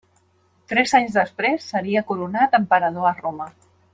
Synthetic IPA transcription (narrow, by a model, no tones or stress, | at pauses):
t̪ɾɛzaɲzðəspɾesːəɾiəkuɾunat̪əmpəɾəð̞oəromə